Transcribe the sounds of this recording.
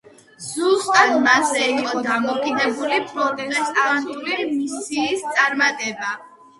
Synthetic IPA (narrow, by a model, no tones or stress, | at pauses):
zust̪ʼad̪mazɛiqʼɔd̪amɔkʼid̪ɛbulipʰʼɾɔt̪t̪ʼɛsʼant̪ʼulimisiːst̪sʼaɾmat̪ʼɛba